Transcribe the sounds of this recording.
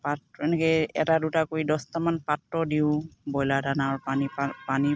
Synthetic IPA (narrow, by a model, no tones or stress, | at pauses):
patɛnɛkɛɛ̰tadutakoidɔstamanpatːɔdiʊbɔjladanaɹpaniapani